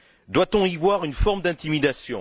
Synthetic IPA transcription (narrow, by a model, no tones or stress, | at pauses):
d̪wat̪ɔ̃ivwaʁynfɔʁmd̪ɛ̃t̪imid̪asjɔ̃